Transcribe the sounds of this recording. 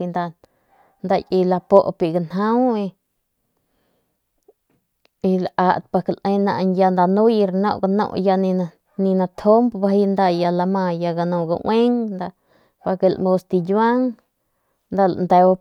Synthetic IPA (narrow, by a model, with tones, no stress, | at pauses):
i˧nd̪a˧n | nd̪a˧kʼi˧la˧po˦ʔpi˧ɡa˧nɦa˦wi˧ | i˧la˧ʔa˧t̪pa˧klʔe˧jna̰˧ʔnja˧nd̪a˧nu˦ji˧ɾno̰˧˨ɡa˧nõ̰˦˧˨ja˧ni˧a˧ | ni˧na˧t̪ʰo˦mbba˧hi˧nd̪a˧ja˧la˧ma˧ja˧ɡa˧nõ˧ɡa̰˧ʔw̰ʷʔe˦ŋnd̪a˧ | ba˧ke˧lmo˧st̪i˧jwa˦ŋ | nd̪a˧nd̪e˧wa˧